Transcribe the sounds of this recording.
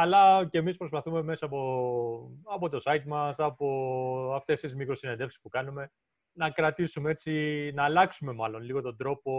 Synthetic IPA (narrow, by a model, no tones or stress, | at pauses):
ɐlɐcemispɾo̞spɐθume̞me̞sɐːpo | ɐpo̞t̪o̞sɐit̪mɐsɐpo̞ɐft̪e̞st̪izmikɾo̞sine̞nd̪e̞fsi̥spukɐnume̞ | nɐkɾɐt̪isumeet͡sinɐːlɐksume̞mɐlo̞nliɣo̞t̪o̞nd̪ɾo̞po̞